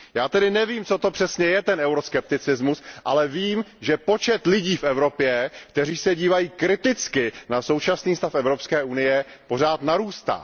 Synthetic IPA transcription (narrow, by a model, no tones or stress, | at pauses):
jaːt̪ɛdɪnɛviːmt͡sot̪o̞pr̥ɛsɲɛjɛt̪ɛnɛwɾo̞skɛp̚t̪ɪt͡sɪzmusʔalɛviːmʒɛpo̞t͡ʃɛt̪lɪɟiːfɛvɾo̞pjɛkt̪ɛriːsɛɟiːvajiːkɾɪt̪ɪt͡skɪnaso̞wt͡ʃasniːst̪afʔɛvɾo̞pskɛːʔunɪjɛpo̞r̝aːt̪naɾuːst̪a̰ː